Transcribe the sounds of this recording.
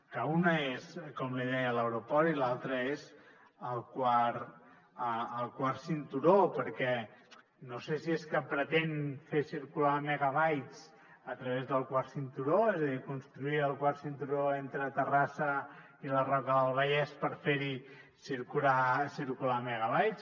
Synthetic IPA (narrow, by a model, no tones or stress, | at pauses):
kəunəeskɔmliðɛjələwɾupɔɾilalˠt̪ɾəez | əlˠkwaɾ | əːlˠkwaɾsint̪uɾopəɾkɛ | nosesieskəpɾət̪enfesiɾkulamɛɣəβajt͡s | ət̪ɾəβezðəlˠkwaɾsint̪uɾoezəðikunst̪ɾuiəlˠkwaɾsint̪uɾoent̪ɾət̪ərasə | ilərɔkəðəlˠβ̞əʎɛspəɾfeɾi | siɾkulasiɾkulamɛɣəβajt͡s